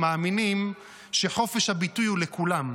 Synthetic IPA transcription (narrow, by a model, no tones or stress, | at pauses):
maːminim | ʃe̞ħo̞fe̞ʃhabitujulekulam